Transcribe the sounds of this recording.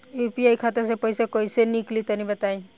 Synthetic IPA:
upiajkʰat̪asepɔjsekɔjseniklit̪anibət̪aj

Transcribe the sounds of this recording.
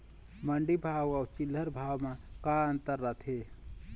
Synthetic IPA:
məɳɖibʱawawt͡ʃilːəɾbʱawmakaənt̪əɾːət̪ʰe

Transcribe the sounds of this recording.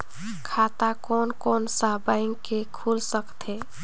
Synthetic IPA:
kʰat̪akɔnkɔnsabaɪŋkekʰulsəkt̪ʰe

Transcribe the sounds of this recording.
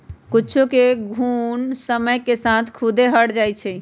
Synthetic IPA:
kut͡ʃʰukeɡʱunsəməjkesat̪ʰkʰud̪eɦəɽd͡ʒajt͡ʃʰɛ

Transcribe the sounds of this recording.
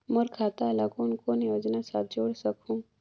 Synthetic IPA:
mʊɾkʰaːt̪alaɡonkonjoːd͡ʒnasa̰ːt̪̚ʰd͡ʒoːɽsɐkʰũː

